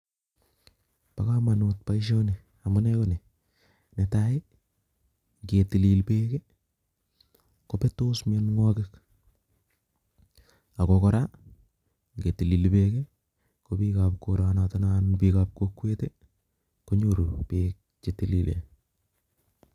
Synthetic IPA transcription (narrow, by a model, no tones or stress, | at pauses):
pakamanot̚paiʃ̬one | amunɛkone | netae | ŋɡetililpeːke | kopetoːsmɔnŋwɔkɪk | akokɔɾa | ŋɡetililpeke | kopikap̚koɾanatɔnanpikap̚kokwete | koɲoɾupek̚ | t͡ʃetililḛ